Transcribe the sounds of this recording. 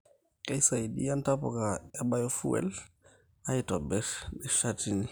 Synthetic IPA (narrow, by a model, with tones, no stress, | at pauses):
kɛ˦jsa˨i˨di˦a˦ntapɔ̰˨ka˨ɛ˦ba˦jɔ˦fṵ˦wɛ̰l | aɪtɔ˨bɛ˦ɾnɪ˨ʃatini˨